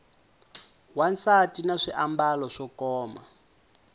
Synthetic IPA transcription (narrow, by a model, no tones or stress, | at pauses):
wansatinaʂiʔambalɔʂɔkɔːma